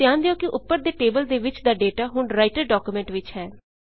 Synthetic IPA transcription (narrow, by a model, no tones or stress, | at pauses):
ɪjãːnd̪ejõːkɪʔʊpːəɾd̪eːʈeːbəld̪eːʋɪt͡ʃd̪aːɖeːʈaːɦʊɳɾaːɪʈəɾɖɔːkuːmɛ̃ːɳʈʋɪt͡ʃɦɛː